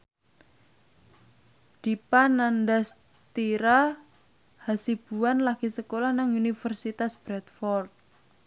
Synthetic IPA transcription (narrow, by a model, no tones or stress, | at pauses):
d̪̥i̤panandas | t̪iɾa | hasib̥ṳanlaɡ̥isəkolahnaŋunifərsit̪asb̥ɾɛt̪̚fɔrt̪̚